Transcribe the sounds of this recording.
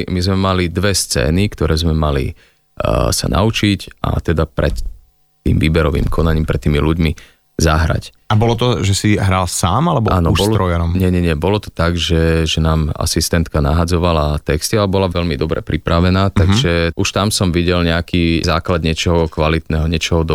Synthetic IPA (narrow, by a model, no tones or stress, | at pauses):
mizmɛmalid̪ʋɛst͡sɛ̰ːnikt̪ɔɾɛːzmɛmalḭ | sa̰nʔa̰ut͡ʃica̰t̪ɛd̪apɾɛ̰t̪ː | ḭːmʋiːbɛɾɔʋḭːmkʰɔnaɲiːmpɾɛt̪ːiːmiluɟmi | zaɦɾa̰c | abɔlɔt̪̬ɔʒɛsiɦɾalsaːmalɛbɔaːnɔuʃbɔlt̪ɾɔjaɾɔmɲɛɲɛɲɛbɔlɔt̪ɔ̥t̪aɡʒɛʒɛnaːma̰sist̪ɛnt̪kanaɦad͡zɔʋalat̪ɛkst̪ialɛbɔlaʋɛʎmid̪ɔbɾɛ̰pɾipɾaʋɛnaːt̪aɡʒɛʔuʃt̪amsɔmʋiɟɛlɲɛakiːzaːklad̪ɲɪɛt͡ʃɔɦɔkʋalit̪nɛɦɔɲɪɛt͡ʃɔɦɔd̪